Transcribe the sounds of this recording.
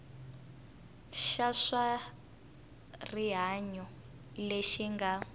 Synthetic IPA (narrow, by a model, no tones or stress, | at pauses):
ʃaʂa | riɦaɲɔ | leʃiŋɡa